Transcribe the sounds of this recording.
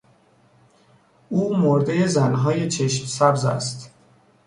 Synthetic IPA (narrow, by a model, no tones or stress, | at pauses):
ʔuːmoɾd̪e̞jezænɦɒːje̞t͡ʃʰe̞ʃmsæbzæ̰st̪